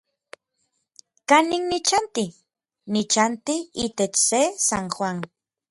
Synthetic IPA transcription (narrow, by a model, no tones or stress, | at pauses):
kaniknit͡ʃant̪i | nit͡ʃant̪iit̪et͡ʃsesanxwaŋ